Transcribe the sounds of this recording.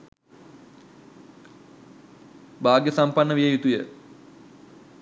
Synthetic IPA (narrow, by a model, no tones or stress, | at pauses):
baːɡjəsampanːəʋijəjut̪ujə